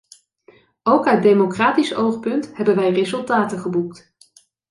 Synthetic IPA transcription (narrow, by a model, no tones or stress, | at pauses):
owkaɥdejmokraːtisowχpɵntɦɛbənʋɛjrezɵlˠtaːtəχəbukt